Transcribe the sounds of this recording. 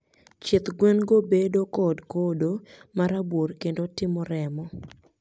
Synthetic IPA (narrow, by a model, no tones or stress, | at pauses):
t͡ʃɪt̪ɡwɛnɡobedokɔdkodomaɾabworkendotɪmɔɾɛmɔ